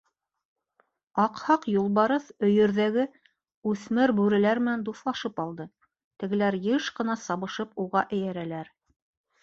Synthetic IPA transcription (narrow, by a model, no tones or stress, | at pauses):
ɑqhɑqjulˠβɑɾɤθɵ̆jɵ̆ɾðæɡɘ | ʉθmɘɾbʉɾɘ̆læɾmɘ̆nænd̪uθlˠɑʃɤpɑlˠd̪ɤ | t̪ɘ̆ɡɘ̆læɾjɤʃqɤ̆nɑsɑβɤ̆ʃɤpuʁɑʔɘ̆jæɾælæɾ